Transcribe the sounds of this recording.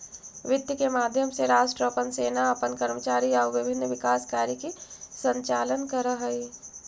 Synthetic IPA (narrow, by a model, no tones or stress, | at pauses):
ʋɪt̪ːjəkemaːd̪ʱjəmseɾaːʃʈɾəpənseːnaɐpənkɐɾmət͡ʃaːɾiaːɾʋɪbʱɪnːʋɪkaːskaːɾikisə̃ɲt͡ʃaːlənkəɾəɦəi